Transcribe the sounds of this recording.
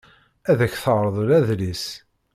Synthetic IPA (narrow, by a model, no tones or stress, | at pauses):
æðæçθəʁɾˤəðˤuɾæðlis